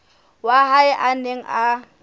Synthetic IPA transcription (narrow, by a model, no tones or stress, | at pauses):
waɦaɪʔaneŋ̩ʔa